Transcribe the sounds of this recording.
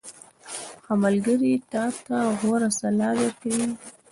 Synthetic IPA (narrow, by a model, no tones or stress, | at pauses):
xamalɡəɾit̪ɑt̪aɣoɾasalɑd̪aɾkawi